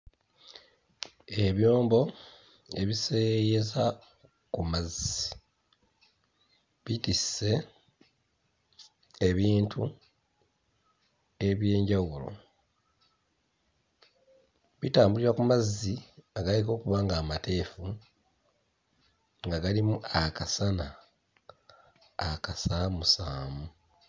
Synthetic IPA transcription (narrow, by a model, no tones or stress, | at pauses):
e̞βjo̞ːmbo̞ | e̞βisejeza | kumazːi | βitise̞ | e̞βiːntʰu | e̞βje̞ːɲɟawulo̞̰ | βitaːmbuliɾakumazːiaɡaleko̞ːkuβaːŋɡaːmate̞ːfu | ŋɡaɡalimuakasana | kasamusaːmu